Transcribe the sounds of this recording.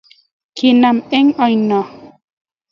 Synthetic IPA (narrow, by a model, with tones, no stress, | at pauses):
ki˨na˨me˦ŋɔ˨jnɔ˨